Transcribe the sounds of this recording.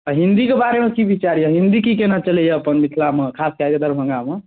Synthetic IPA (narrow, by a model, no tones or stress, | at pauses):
əɦind̪ikebaɾemekibʱit͡ʃaɾjeɦind̪ikikenat͡ʃəlɛjeəpənmit̪ʰlamekʰaskad͡ʒ̪ed̪ʱəɾbʱə̃ŋɡame